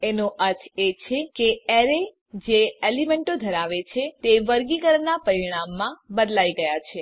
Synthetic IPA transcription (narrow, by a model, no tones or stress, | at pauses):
enoʔəɾt̪ʰet͡ʃʰekeeɾe | d͡ʒeelimeɳʈod̪ʱəɾaʋet͡ʃʰet̪eʋəɾɡikəɾnapəɾiiɽ̃amːãbəd̪laiɡəjat͡ʃʰe